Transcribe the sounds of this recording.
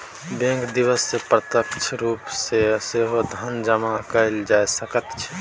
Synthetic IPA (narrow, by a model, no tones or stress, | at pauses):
bẽŋkd̪iʋəsːepɾət̪əkt͡ʃʰɾupseseɦod̪ʱənd͡ʒəmakəɪld͡ʒajsəkət̪t͡ʃʰɛ̥